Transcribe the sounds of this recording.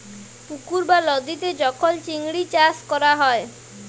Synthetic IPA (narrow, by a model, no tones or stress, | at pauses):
pukuɾbalɔd̪it̪ed͡ʒɔkʰɔlt͡ʃiŋɽit͡ʃaskɔɾaɦɔe